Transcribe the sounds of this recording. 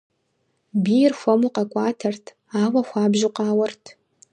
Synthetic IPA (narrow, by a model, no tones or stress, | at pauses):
biːjɪrxʷɐmuqɐkʷʼɑːtʰɐrtʰ | aːwɐxʷɑːbʒɪqɑːwɐrtʰ